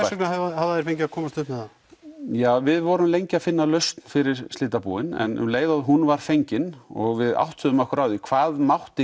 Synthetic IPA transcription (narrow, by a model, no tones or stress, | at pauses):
ɛknaavahavðaðɛɾ̥fejɲc̬ɪakʰɔːmast̪ʏhpmɛa | jaːvɪðvɔɾʏmlejɲcɪaðfɪnːalœɥst̪n̥fɪɾɪɾst̪lɪːt̪apṵːɪnɛ̰nʏmleːjðaðɦunvaɾ̥fejɲcɪnɔɣvɪða̰wht̪ʏðʏmahkʏɾawðikʰvaːðmawht̪ɪ